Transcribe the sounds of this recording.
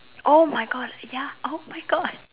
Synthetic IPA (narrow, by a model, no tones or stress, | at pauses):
ʔomajɡɔd̚jaʔomajɡɔd̚